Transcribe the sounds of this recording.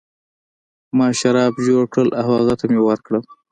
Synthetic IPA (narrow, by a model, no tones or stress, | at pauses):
mɑʃaɾɑbʒoɽkɽəlʔawaɣat̪amewəɾkɽəl